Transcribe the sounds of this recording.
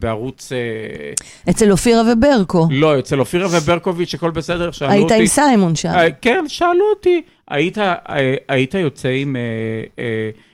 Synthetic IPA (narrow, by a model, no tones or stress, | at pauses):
beaʁut͡se | et͡selofiʁavebe̞ʁkolo̞et͡selofiʁavebeʁkovit͡ʃako̞lbesed̪eʁʃaːaiutaiimsajmonʃaakenʃaːluot̪i | a̰it̪aeait̪ajo̞t͡seimee